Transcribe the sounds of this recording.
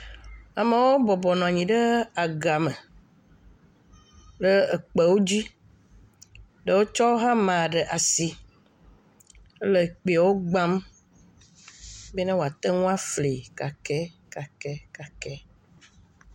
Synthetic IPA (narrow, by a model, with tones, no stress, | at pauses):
a˨me˨wo˦bɔ˨bɔ˨nɔ̃˨a˨ɲĩ˨ɖe˦a˨ɡa˨me˨ | ɖə˦e˨k͡pe˨wo˦d͡ʑi˦ | ɖə˨wo˦t͡ʃɔ˦ɦã˦mã˨ɖe˨ʔa˨si˨ | e˦le˨k͡pe˨wo˦ɡ͡ba˦m | be˦nã˦wo˨a˨t̪ɛ˦ŋũ˦a˦fle˨ka˨kɛ˦ka˨kɛ˦ka˨kɛ˦